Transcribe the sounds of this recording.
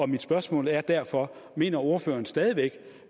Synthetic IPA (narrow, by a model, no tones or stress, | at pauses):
ɒ̽mid̥sb̥ɶɐsmɔ̰ːlæɐd̥æɐ̰fɒ̽ | me̝̰ːnɐo̝ɐfø̰ːɐnsd̥ɛːð̞ˠiʋeɡ̥